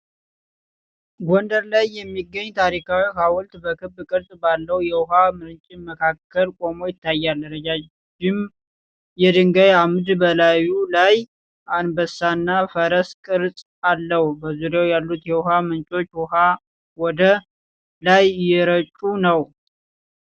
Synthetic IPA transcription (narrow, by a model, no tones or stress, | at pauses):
ɡond̪əɾlajːɛmːiɡːəɲːt̪ʰaɾikʰawiɦawɔlt̪bəkʰɨbːkʼɨɾt̪ʼbalːəwjɛwʊɦamɨɾnt͡ʃʼiməkʰakʰːəlkʼo̞mo̞jɪt̪ʰːajːald̪əɾəd͡ʒa | d͡ʒɪm | jɛd̪ɨŋɡajamd̪bəlajulaj | ʔanbəsːanːafəɾəskʼɨɾsʼ | alːəhubəzuɾawjalːut̪jɛwʊɦamɨnt͡ʃʼo̞t͡ʃːwʊɦa | wɔd̪ə | lajjɛɾət͡ʃʼunəw